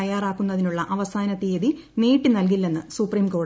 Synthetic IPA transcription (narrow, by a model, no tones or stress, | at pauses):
ɐjaːraːkːunːɐðinuɭːɐʔɐʋɐsaːnɐt̪ːeːði | neːʈːɨnɐlk̬ilːenːɨsupriːmko̞ː